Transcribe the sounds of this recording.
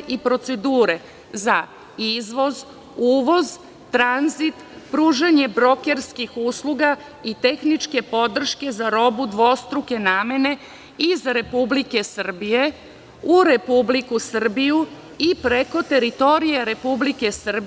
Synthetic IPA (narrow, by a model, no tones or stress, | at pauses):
ʔipɾo̞t̪se̞d̪uːɾe | za | izʋo̞z | uːʋo̞z | t̪ːɾanzit̪ | pɾuːʒeɲe̞bɾo̞ke̞ɾskixuːslˠuɡa | it̪e̞xnit͡ʃke̞po̞d̪r̩ʃke̞zaɾo̞bud̪ʋost̪ɾuke̞naːme̞ne̞ | izɾe̞publike̞sr̩bije | uɾe̞publikusr̩biju | ipɾe̞ko̞t̪e̞ɾit̪o̞ɾijeɾe̞publike̞srb